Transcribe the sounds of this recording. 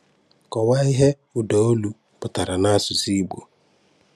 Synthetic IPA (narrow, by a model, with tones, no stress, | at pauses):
kɔ˨wa˦ɪ˦ɦe˦ | ʊ˨dɔ˨o˦lu˦ | pʊ˨ta˨ɾa˨na˦a˦sʊ˨si˦ɡ͡bo̰˨